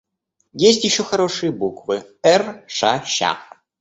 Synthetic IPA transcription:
jes̬ʲtʲjɪɕːoxɐɾoʂɨjəbukvɨɛrʂaʃa̰ʁ

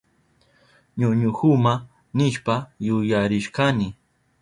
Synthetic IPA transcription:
ɲʊɲʊhʊma | nɪʃpajʊjaɾɪʃkanɪ

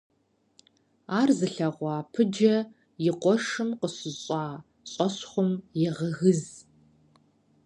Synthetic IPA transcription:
aːrzɨɬɐʁʷɑːpʰɨd͡ʒɐ | jɪqʷɔʂɨmqəsɪɕʼɑː | ɕʼɔɕχʷʊmjɛʁɐɣɨz

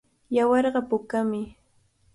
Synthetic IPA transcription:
jawɑɾɢɑpʊkamɪ

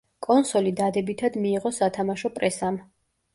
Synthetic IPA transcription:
kʼɔnsɔlid̪ad̪ɛbit̪ʰad̪miːʁɔsat̪ʰamaʃɔpʼɾɛsam

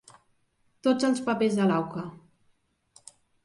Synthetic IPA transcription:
t̪od͡zəlˠspəpezðəlawkə

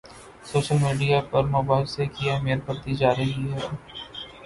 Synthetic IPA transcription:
soːʃəlmiːɖijapɐɾmɐbaːɪlsekijameːɾpəɾt̪id͡ʒaːɾɐɦiɦɛː

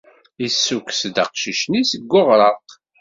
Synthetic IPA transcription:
isːuksd̪ə̰qʃiʃnisəɡːoʁɾˤɑq

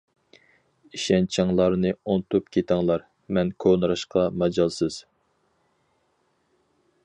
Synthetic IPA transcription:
iʃɛnt͡ʃʰɑŋlˠɑɾnɨont̪ʰupkʲʰet̪ʰɪŋlˠɑɾ | mɛnkʰonɨɾɑʃqʰɑmɛd͡ʒɑlˠsɨz̥

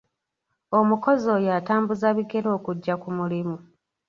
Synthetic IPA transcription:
o̞muko̞zo̞jaːtaːmbuzaβiɡe̞ɾo̞ːkuɟːakumulimu

